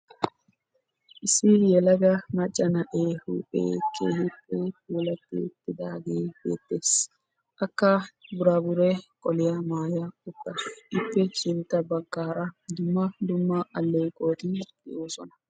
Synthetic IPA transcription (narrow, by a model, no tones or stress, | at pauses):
ʔɪsɪjɛlɐɡɐmɐt͡ʃʼːɐnɐʔeːhṵpʼḛːkʰḛːhɪpːɛkuːlɐt̪ːḛːt̪ːɪd̪aːɡeːb̥ḛːt̪ːeːs | ʔɐkːabʊɾaːbʊɾɛkʼɔlɪjɐmaːjɐʊpːɛʔɪpːɛt͡ʃɪnt̪ːɐbɐkːaːɾɐd̪ʊmːɐd̪ʊmːɐʔɐlːeːkʼo̞ːt̪ɪt̪ːɪ̰ʔoːsɔnɐ̥